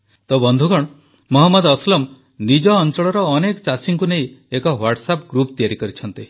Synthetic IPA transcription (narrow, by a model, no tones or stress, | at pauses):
t̪ɔbɔnd̪ʱuɡɔɽ̃ | mɔɦɔmːɔd̪ɔslɔm | nid͡ʒɔːnt͡ʃɔɭɔɾɔːnekɔt͡ʃasiŋkunejekɔwaɾʈsapɡɾupt̪iaɾikɔɾit͡ʃʰɔnt̪i